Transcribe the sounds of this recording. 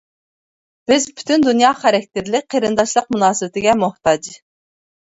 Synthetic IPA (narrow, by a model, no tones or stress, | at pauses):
b̥ɪzbʰy̥t̪ʰynd̪unjɑːχæɾɛk̚ʲt̪ɪɾlɪk̚ʲqʰəɾɨnd̪ɑʃlˠəq̚munɑːsɨbɪt̪ɪɡʲɛmuht̪ɑd͡ʒ